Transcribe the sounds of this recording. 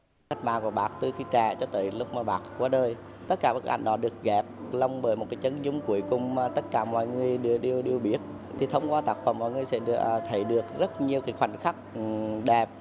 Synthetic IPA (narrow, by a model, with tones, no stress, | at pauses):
a˦˥k̟̚ma̰ː˨˩ku˧˩əɓaː˨˩k̚t̪ɨ˨˩xi˧˦t͡ɕaː˧˩t͡ɕɔ˧t̪ə̰ː˧˨jlʊ˦˥k͡p̚maː˨˩ɓaː˨˩k̚kwːɗəː˧j | t̪ə˦˥t̚kaː˧˩ɓa˦˥k̚ʔa̰˧˩jŋ̟ɗɔ˨˦ɗɨ˨˩ək̚ɣɛ˨˩p̚lə˧wŋ͡mɓəː˧˩jmo˨˩t̚ka˨˦jt͡ɕə˨˧˦nzʊ˧˦ŋ͡mku˧˩əjkʊ˨˩ŋ͡mma˨˩t̪ə˦˥t̚kaː˧˩mɔ̰˧˨jŋɨ˨˩əjɗəɗi˧əwɗi˧əwɓi˦˥ət̚ | t̪ʰi˨˩t̪ʰə˧wŋ͡mkwaː˧t̪a˦˥k̚fə˨˩mɔː˧˨˩ŋɨ˨əjsɛ̰˧˥˧ə˧˩t̪ʰə˨˩˦jɗɨ˨˩ək̚zə˦˥t̚ɲi˧əwki˨˦xwa˨˧˩jŋ̟xa˦˥k̚ɗɛ˨˩p̚